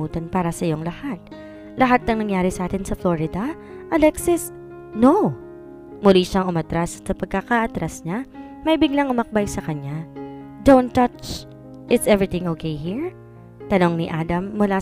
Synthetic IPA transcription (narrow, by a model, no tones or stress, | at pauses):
uːt̪ɐnpaːɾɐsɐjo̞ŋlɐhat̪̚ | lɐɦat̪̚nɐŋnɐŋjaːɾɪsɐʔaːt̪ɪnsɐfloɹɪd̪ɐ | ʔɐlɛksɪs | no | mʊliʃɐŋʊmɐt̪ɾassɐpɐɡ̚kɐkaʔɐt̪ɾasɲa | mɐjbɪɡlaŋʔʊmɐk̚bajsɐkɐɲːad̪ownt̪ːɐt͡ʃ | ʔɪt̪sɛvɹɪt̪ɪ̃ŋokʰejhiɹ | t̪ɐno̞ŋnɪʔaːd̪ɐmːʊlaː